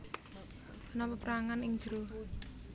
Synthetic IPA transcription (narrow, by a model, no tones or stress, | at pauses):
ʔnɔpəpɾaŋanɪŋ̥d͡ʒ̥ɾoh